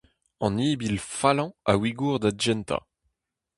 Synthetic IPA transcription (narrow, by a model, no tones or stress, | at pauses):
ɑ̃niːbilfalɑ̃a̰wiɡuːʁd̪ad͡ʒɛnt̪a̰